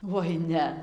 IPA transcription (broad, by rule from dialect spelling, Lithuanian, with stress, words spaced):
ʋoːɪ ˈnʲɛ